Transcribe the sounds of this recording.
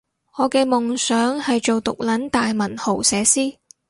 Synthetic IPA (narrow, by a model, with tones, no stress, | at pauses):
ŋɔː˨˧kɛː˧mʊ˨ŋsœː˨˥ŋhɐ˨jt͡ʃo˨wt̪ʊ˨k̚lɐ˨˥nt̪aː˨jmɐ˨˩nho˨˩wsɛː˨˧siː˥